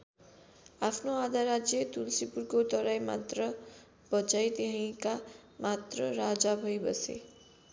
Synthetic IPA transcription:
apʰnoad̪ʱaɾad͡zjet̪ulsipurkot̪ʌɾajma̰t̪rʌ | b̥ʌt͡sajt̪eɦãj̃ka | mat̪rʌɾad͡zabʱʌjbʌ̰sḛ

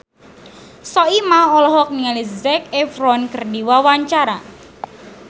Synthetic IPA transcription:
sɔimahɔlɔɦɔk̚niŋalizɛkɛfɾɔnkərdiwawaɲt͡ʃaɾa

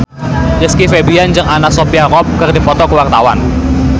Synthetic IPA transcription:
jəskifebiand͡ʒɨŋanaʔsopiarɔp̚kərdipɔt̪ɔkəwart̪awa̰n

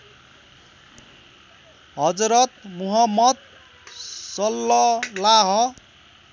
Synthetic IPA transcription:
ɦʌd͡zɾʌt̪̚muɦʌmːʌd̪̚ | sʌlːʌlaɦʌ

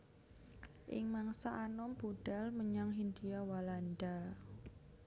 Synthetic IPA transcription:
ʔɪ̰ŋmaŋsaʔanɔmb̥uɖ̥a̤lməɲaŋɦind̪ujawalanda

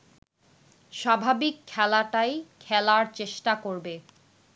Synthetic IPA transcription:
ʃabʱabikʰːɛlaʈajkʰɛlaɾt͡ɕeʃʈakoɾbe

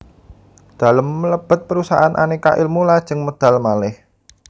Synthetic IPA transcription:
d̪̥a̤ləmːələb̥ə̤t̪̚pəɾusaɦanʔa̰nika̰ʔilmulad̥ʒ̥ɨŋmod̪̥a̤lmalɪh

